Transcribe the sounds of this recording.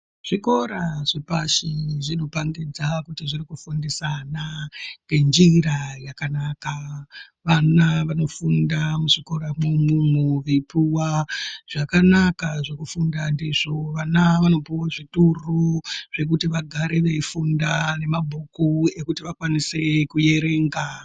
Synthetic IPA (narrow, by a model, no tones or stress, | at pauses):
ʐ̥iko̞ɾaʐ̥epaʃiʐino̞paŋɡid͡zakutiʐiɾikufundisanaŋɡe̞nd͡ʒiɾajakanaka | ʋanaʋano̞fundamuʐiko̞ɾamumumuʋipuwaʐ̥akanakaʐe̞kufundandiʐo̞ʋanaʋano̞piwaʐituruʐ̥e̞k̬utiʋaɡʱaɾe̞ʋeifundane̞mabʱukue̞kutiʋakwanise̞kuje̞ɾe̞ːŋɡa